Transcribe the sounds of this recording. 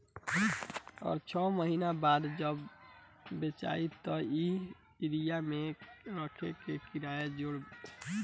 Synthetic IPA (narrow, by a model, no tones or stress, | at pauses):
ɔ̰ːɾt͡ʃʰɔməɦiːnabaːd̪d͡ʒəbː | et͡ʃa̰ːit̪ɔi | ɪɾijamẽɾəkʰekekɪɾaːjed͡ʒoɽ